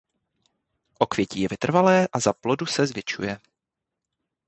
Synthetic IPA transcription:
ʔo̞kvjɛciːjɛvɪt̪r̩valɛːʔazaplo̞dusɛzvjɛt͡ʃṵjɛ

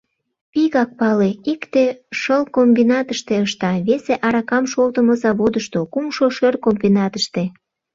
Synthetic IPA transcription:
piɣɑk̚pɑleikt̪eʃəlkombinɑt̪əʃt̪eəʃt̪ɑβeseʔɑɾɑkɑmʃolt̪əməzɑβod̪əʃt̪okumʃoʃørkombinɑt̪əʃt̪e

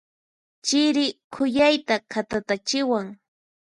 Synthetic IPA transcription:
t͡ʃɪɾɪkʰʊjajt̪akʰat̪at̪at͡ʃɪwaŋ

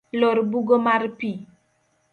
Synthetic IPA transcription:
lɔɾbuɡɔmaɾpi

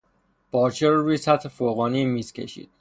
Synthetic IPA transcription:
b̥ɒːɾt͡ʃʰeɾɾujsæt̪ʰhefoɣɒːnimiːscʲʰḛʃḭːd̪̥̚

